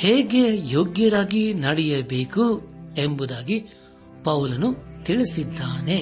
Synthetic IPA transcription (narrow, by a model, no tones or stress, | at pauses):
heːɡe̞joːɡjɐɾaːɡinɐɽɛjɐbeːkuembud̪aːɡi | pɐwlɐnut̪iɭisid̪ːaːne̞